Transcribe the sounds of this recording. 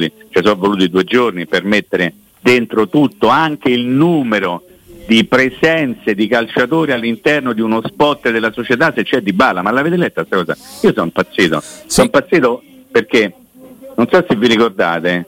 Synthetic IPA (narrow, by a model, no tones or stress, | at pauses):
it͡ʃɛs̬ɔvːoluːt̪id̪uːed͡ʒornipermet̪ːeɾe | d̪ent̪ɾot̪ut̪ːoaŋk̟eilnuːmeɾo | d̪ipɾesɛnt̪sed̪ikalt͡ʃat̪oːɾialːint̪ɛrnod̪iunospɔt̪ːd̪elːasot͡ʃet̪asːet͡ʃːɛd̪ːibːalːamalːaveːt̪elɛt̪ːast̪akɔːza̰iːosɔimpat̪sːiːt̪o̰sɔimpat̪sːiːt̪o | perk̟e | nonsɔsevːiɾikord̪aːt̪e